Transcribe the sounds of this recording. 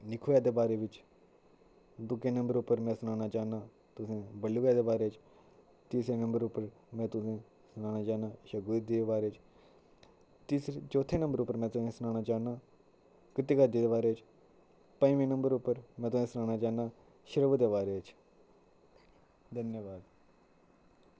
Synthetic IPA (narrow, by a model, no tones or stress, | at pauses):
nɪkʰuːjaːd̪eːbaːɾeːʋɪt͡ʃ | d̪ʊkẽːnəmbəɾʊpːəɾmɛ̃ːsənaːnaːt͡ʃaːnaː | t̪ʊsẽːbəlːuːɡjaːd̪eːbaːɾeːt͡ʃ | t̪iːsɾeːnəmbəɾʊpːəɾmɛ̃ːt̪ʊsẽː | sənaːnaːt͡ʃaːnãːʃəɡud̪iːd̪eːbaːɾeːt͡ʃ | t̪iːsɾet͡ʃoːt̪ʰeːnəmbəɾʊpːəɾmɛ̃ːt̪ʊsẽːsənaːnaːt͡ʃaːnaː | kət̪iːkəɾd̪iːd̪eːbaːɾeːt͡ʃ | pəĩːʋẽːnəmbəɾʊpːəɾmɛ̃ːt̪ʊsẽːsənaːnaːt͡ʃaːnaː | ʃəɾəʋd̪eːbaːɾeːt͡ʃ | d̪ənjəʋaːd̪